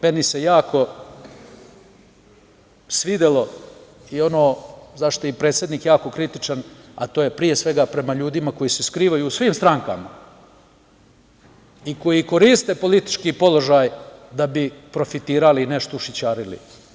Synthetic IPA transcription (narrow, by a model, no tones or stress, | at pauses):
menise̞jaːkʰo̞ | sʋid̪elo̞ | io̞noːzaʃt̪oipɾet̪sje̞d̪niːkjaːko̞kɾit̪it͡ʂana̰t̪oje̞pɾijesʋe̞ɡapɾe̞maʎuːd̪imako̞jiːseskɾiːʋajuːsʋiːmst̪ɾaŋkama̰ | iko̞jiko̞ɾist̪epo̞lit̪i̥t͡ʃkipo̞lˠo̞ʒaːjd̪abipɾo̞fit̪iːɾaline̞ʃt̪ouʃit͡ɕaːɾilḭ